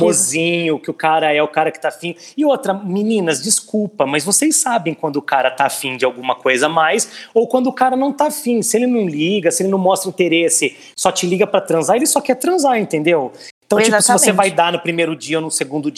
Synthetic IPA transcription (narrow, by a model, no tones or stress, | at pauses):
mozĩɲʊkɪʊkaɾɐɛʊkaɾɐkɪ̥t̪afĩɪot̪ɾɐminĩnɐzd͡ʒiskupɐmɐzvosejsabẽj̃kwɐ̃nd̪ʊkaɾɐt̪afĩd͡ʒɪawɡũmɐkojzɐmajsowkwɐ̃nd̪ʊkaɾɐnɐ̃w̃t̪afĩsɪelɪnɐ̃w̃liɡɐsɪelɪnɐ̃w̃mɔst̪ɾɐĩt̪eɾesɪ | sɔt͡ʃɪliɡɐpɾɐt̪ɾɐ̃zaelɪsɔkɛɾt̪ɾɐ̃zaɾẽnt̪ẽnd̪ewẽt̪ɐ̃t͡ʃpaʊsɪvossevajd̪anʊpɾimejɾʊd͡ʒiɐonʊseɡũnd̪ʊ